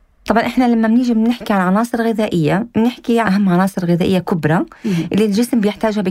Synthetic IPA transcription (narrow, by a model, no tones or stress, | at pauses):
t̪ˤɑbʕɑnʔɪħnalamːamnɪʒɪbnɪħkiʕalʕɑnɑːsˤɨɾɣɪðaːʔɪjːamnɪħkiʕaɦamːʕɑnɑːsˤɨɾɣɪðaːʔɪjːakʊbɾˤɑʔɪlːilʒɪsmbɪjɪħt̪aːʒhabɪ